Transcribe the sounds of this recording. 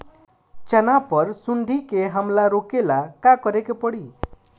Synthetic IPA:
t͡ʃʌnapɔɾsund̪ʱikeɦəmlaɾokelakakɔɾekepɔɽi

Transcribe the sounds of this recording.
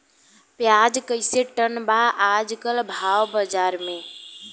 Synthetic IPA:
pjad͡ʒkəɪseʈənbaːd͡ʒkəlbʱawbəd͡ʒaɾme

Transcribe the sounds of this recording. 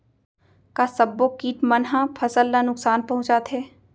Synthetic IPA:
kasɐbːokiːʈmɐnɦãpʰɐsəlːanʊksaːnpɐɦʊ̃t͡ʃat̪ʰeː

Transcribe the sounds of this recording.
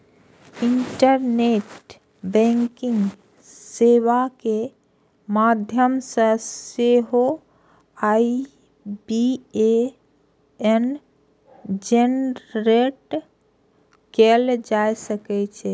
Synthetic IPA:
ɪɳʈəɾneːʈ | bɛ̃ŋkɪ̃ŋɡ | seːʋake | maːd̪ʱjəmsəseɦo | aːi | bie | en | d͡ʒenɾeʈ | keld͡ʒajsəkɛt͡ʃʰɛ

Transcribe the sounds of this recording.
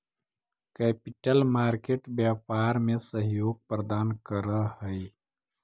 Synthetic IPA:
kɛːpɪʈəlmaːɾkeːʈbjaːpaːɾmẽsəɦjoːɡ̚pɾəd̪aːnkəɾəɦəi

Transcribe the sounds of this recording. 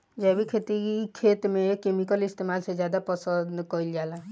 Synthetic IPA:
d͡ʒɛbʱikʰet̪ikʰeːt̪mẽkemikəlɪst̪emaːlsed͡ʒjaːd̪apɔsənd̪kɔild͡ʒaːla

